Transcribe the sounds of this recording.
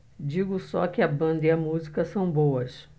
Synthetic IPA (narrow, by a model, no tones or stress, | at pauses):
d͡ʒiɡʊsɔkɪɐbɐ̃nd̪ɐiɐmuzikɐsɐ̃w̃bowɐs